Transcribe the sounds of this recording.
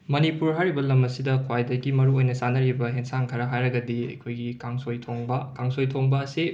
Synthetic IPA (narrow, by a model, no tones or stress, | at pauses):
mɐnipuɾɦajɾibɐlɐmɐsidɐkʰwajdɐɡimɐɾuojnɐsanɐɾibɐɦeŋsaŋkʰɐɾɐɦajɾɐɡɐdiɐ̰jkʰojɡikaŋsojtʰoŋbɐkaŋsojtʰoŋbɐːsi